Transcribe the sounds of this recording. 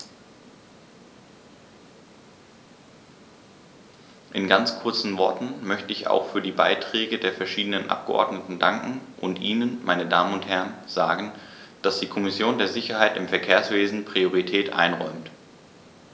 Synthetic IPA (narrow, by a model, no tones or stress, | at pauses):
ʔɪnɡant͡skʰʊɐt͡sn̩vɔɐtn̩mœçtəɪça̰ʊxfyːɐdiːbaɪtʁ̥ɛːɡədeːɐfɛɐʃiːdənənʔa̰p̚ɡ̥əʔɔ̰ɐdnətn̩daŋkŋ̩ʔʊntʔiːnənmaɪnədaːmənʊnthɛɐənz̥aːɡən̩d̥asd̥iːkʰɔmɪsjoːndeːɐzɪçɐhaɪtɪmfɛɐkʰeːɐsv̥eːzn̩pʁ̥ioʁ̞itʰɛːtʔa̰ɪnʁɔ̰ʏmt